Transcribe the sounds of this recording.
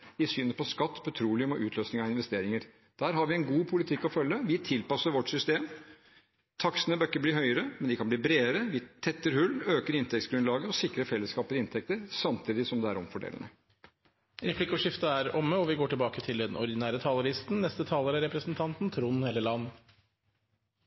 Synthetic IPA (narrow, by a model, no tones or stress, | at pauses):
ɪsyːnəpɔskɑt̪ːpʰɔt̪ʰɾuːlɪʊmɔʔʉːt̪ʰløːsnɪŋɑɪnʋɛst̪eːɾɪŋəɾ | d̪̥æːɾɦɑɾʋɪɛnɡuːpʰʊlɪt̪ʰɪkːɔfœlːəʋɪt̪ʰɪlpɑsːəɾʋɔʈsʏst̪eːm | t̪ʰɑksənəbœkːəbliːɦœʏəɾəmɛnd̪ɪkʰɑnb̪iːbɾeːəɾəʋɪt̪ʰɛt̪ːəɾhʉlːøːkəɾɪnt̪ʰɛkt̪sɡɾʉnlɑːɡəɔsɪkɾəfɛlːəskɑːpəlɪnt̪ʰɛk̚t̪əɾsɑmt̪ʰiːd̪ɪsɔmd̪ɛæɾɔmfɔɖḛːlənə | ɾɛpʰlɪkʊʂɪft̪əæɾɔmːəɔʋɪɡoːʈɪlbɑːkət̪ʰɪld̪ɛnʔɔ̰ɾd̪ɪnæːɾət̪ʰɑːləɾɪst̪n̩nɛst̪ət̪ʰɑːləɾəɾɛpɾəsnt̪ʰɑnt̪n̩t̪ʰɾuːnɛlːəɭɑnː